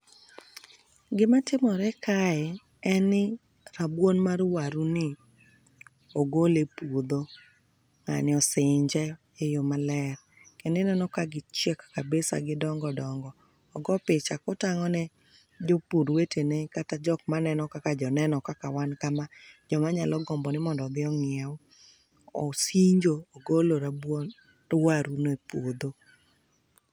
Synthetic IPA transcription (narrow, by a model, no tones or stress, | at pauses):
ɡɪmatɪmɔɾɛkʰaɛ | ɛnɪ | ɾabwonmaɾwaɾunɪ | oɡolepod̪o | ŋa̰nɪɔsɪɲd͡ʒɛ | ejomalɛɾ | kenɪnɛnɔkaɡɪt͡ʃjekːabesa̰ɡɪdɔŋɡɔdɔŋɡɔː | ɡɔpɪt͡ʃakɔtaŋɔnɛ | d͡ʒopuɾwetenekatad͡ʒɔk̚manɛnɔkakad͡ʒɔnɛnɔkakawankamad͡ʒɔmaɲalʔɔɡɔmbɔnɪmɔndɔd̪ɪɔŋɪɛw | osiɲd͡ʒoːɡoloɾabwo | waɾunepod̪o